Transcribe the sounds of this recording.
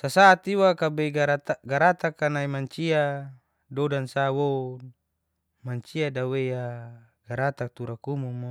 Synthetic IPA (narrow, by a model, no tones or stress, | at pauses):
sasat̪iwakabeɡaɾat̪ɡaɾat̪akanaimaɲt͡ʃia | dodansawo | maɲt͡ʃiadaweja | ɡ̥aɾat̪ak̚t̪uɾakumuma